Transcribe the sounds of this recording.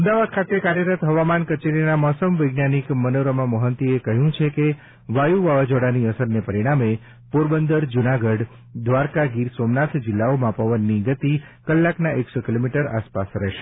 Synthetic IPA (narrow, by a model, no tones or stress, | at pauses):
əmd̪aʋad̪̚kʰat̪ekaɾjəɾət̪ɦəʋamankət͡ʃeɾinamɔsəmʋəjɡnanikmənoɾəmãməɦənt̪iekəɦjũt͡ʃʰeke | ʋajuʋaʋad͡ʒoɽaniəsəɾnepəɾiɽ̃ame | puɾbənd̪əɾd͡ʒunaɡəɖ | d̪ʋaɾkaɡiɾsomnat̪ʰd͡ʒɪlːaomãpəʋənːiɡət̪i | kəlːaknaʔeksokilomiʈəɾa̰spasɾɛʃe̥